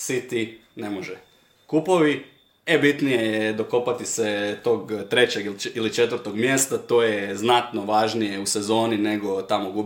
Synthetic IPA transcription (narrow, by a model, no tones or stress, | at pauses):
sit̪ine̞moʒɛ | kupoʋi | ebit̪nije̞jed̪o̞ko̞pat̪iset̪o̞ːɡt̪ɾet͡ɕeɡililit͡ʃet̪ʋəɾ̩t̪o̞ɡmjest̪at̪o̞ːjeznat̪no̞ʋaːʒnije̞usezo̞ːnine̞ɡo̞t̪amoɡub